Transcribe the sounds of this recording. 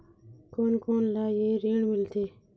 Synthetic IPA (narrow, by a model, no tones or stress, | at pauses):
koːnkoːnlaːjeːɾeːɳmɪlt̪ʰeː